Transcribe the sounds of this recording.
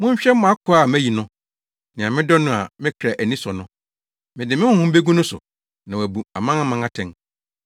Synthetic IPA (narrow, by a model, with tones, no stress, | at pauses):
mʊ̃˦ɲ˦ɕᶣɛ˦m˦m̃˨˦a˦kʰʊ˨˦a˨mæ˦ji˨nʊ̃˦ | nɪ̃˨a˨mɪ̃˦dɔ˦nʊ̃˦a˨mɪ̃˦kʰɾa˨ʔæ˨nĩ˦sɔ˨nʊ̃˦ | mɪ̃˨dɪ˨mɪ̃˦wʊ̃˦hũ˦m̩˦be˦ɡũ˦nʊ̃˦sʊ̰˨ | nã˨wæ˨bu˨a˨mã˦ŋã˦mã˨ŋã˦tʰɛ̃˨ŋ